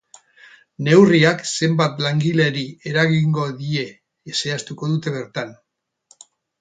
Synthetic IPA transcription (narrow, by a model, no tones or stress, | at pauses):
ne̞wriakse̞mbat̪laŋɡileɾie̞ɾaɣiŋɡo̞ðie̞ː | se̞ast̪uko̞ðut̪e̞β̞e̞ɾt̪an